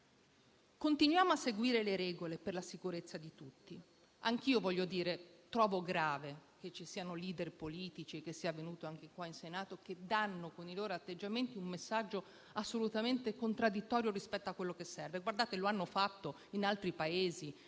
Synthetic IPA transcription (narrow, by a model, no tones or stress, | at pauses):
kont̪inwjaːmoasːeɡwiːɾeleɾɛːɡoleperlasikuɾet̪sːad̪it̪ut̪ːi | aŋk̟iːovɔʎːod̪iːɾet̪ɾɔːvoɡɾaːvek̟et͡ʃːisiːanoliːd̪erpoliːt̪it͡ʃiekːesːiavenuːt̪oaŋk̟ekwainsenaːt̪oked̪anːokoniloːɾoat̪ːed͡ʒːament̪iumːesːad͡ʒːo | asːolut̪ament̪ekont̪ɾad̪ːit̪ːɔːɾjoɾispɛt̪ːoakːwelːokesːɛrveɡward̪aːt̪eloanːofat̪ːo | inalt̪ɾipaeːzi